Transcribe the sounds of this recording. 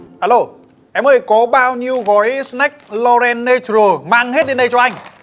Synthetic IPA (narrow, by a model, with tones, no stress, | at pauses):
haː˨˧lo˧˩ | ʔɛ˧˩mʔəː˨˩jkɔ˨˦ɓaː˧wɲi˧əwɣɔ˨˦jsnɛ˦˥k̚lɔ˧ɾɛ˧nːe˧t͡ɕəː˨˧˩maː˧˨ŋhe˦˥t̚ɗe˨˦nɗə˧jt͡ɕɔ˧ʔa˧jŋ̟